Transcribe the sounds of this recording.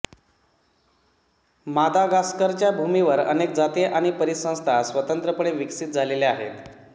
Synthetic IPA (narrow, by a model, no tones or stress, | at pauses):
mad̪ʱaɡaskəɾt͡ɕjabʱumiʋəɾə̰nekd͡zat̪eʔaɽ̃ipəɾisə̃w̃st̪ʰasʋət̪ənt̪ɾəpəɳeʋiksit̪̚d͡zʱaleleaɦḛt̪